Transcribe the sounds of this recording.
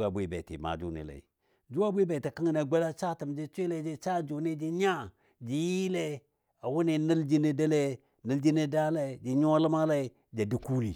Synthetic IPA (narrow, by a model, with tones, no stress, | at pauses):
a˨bʷi˦˨be˨tḭ˨ma̰˨d͡ʒṵ˦nḭ˨la̰˨i˨ | d͡ʒu˦a˦bʷe˦be˨ti˨ka˦ŋi˦na˨ɡ͡ba˦la˦t͡ʃa˦ti˨md͡ʒi˦t͡ʃʷe˦le˦d͡ʒi˦t͡ʃa˦d͡ʒu˨ni˦d͡ʒi˦ɲa˦ | d͡ʒi˨ji˦le˦ | a˨wu˦ni˦˨ni˦ld͡ʒi˦ni˦da˦le˦ | nə˦ld͡ʒi˦ni˦da˦la˦˨d͡ʒi˨ɲo˦lə˦ma˦la˦i˨ | d͡ʒa˨di˨ku˦li˨